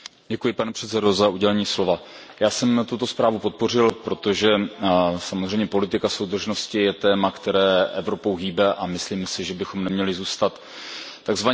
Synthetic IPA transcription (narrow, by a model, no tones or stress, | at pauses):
ɟɛkujɪpanɛpr̥ɛt̪sɛdo̞zauɟɛlɛɲiːslo̞vajaːsɛmt̪ut̪o̞spɾaːvupo̞t̪̚po̞rɪlpɾo̞t̪o̞ʒɛsamozrɛjmɲɛpo̞lɪt̪ɪkaso̞wd̪r̩ʒno̞scɪjɛt̪ɛːmakt̪ɛɾɛːʔɛvɾo̞po̞wɦiːbɛʔamɪsliːmsɪʒɛbɪxomnɛmɲɛlɪzuːst̪at̪ː | aɡzva